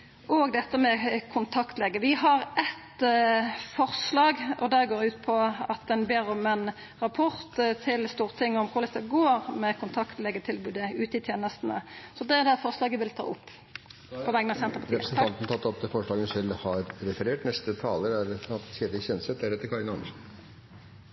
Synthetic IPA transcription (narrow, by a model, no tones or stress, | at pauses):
ʔɔɡd̪ɛt̪ːəmɛkʰʊnt̪ʰɑkt̪lɛɡəʋɪɦɑɾɛt̪ | fɔɾslɑːɡɔd̪ɛɡoːɾʉːt̪pʰɔɑt̪̚d̪ɛnbeːɾɔmɛn | ɾɑpʰɔɾt̪t̪ʰɪlst̪uːɾət̪ʰɪŋːɔmkʰʊɾlɛt̪ːəɡoːɾmɛkʰʊnt̪ʰɑkt̪lɛɡət̪ʰɪlbʉːd̪əʉːt̪ɪt̪ʰjeːnəst̪nə̰sɔd̪ɛd̪ɛfɔʁslɑːɡəʋɪlt̪ʰɑ̰ːʊ̰pː | pʰɔʋɛɡənɑsɛnt̪əpɑtɾʰɾsn̩ɑt̪n̩t̪ʰɑt̪ːɔt̪əfɔʂɭɑːɡənsɛlhɑɾɾɛfəɾeːʈnɛst̪ət̪ʰɑːləɾæɾɑt̪seːɾɪçɛnsɛt̪d̪æɾɛt̪ːəɾkʰɑɾənɑnəʃn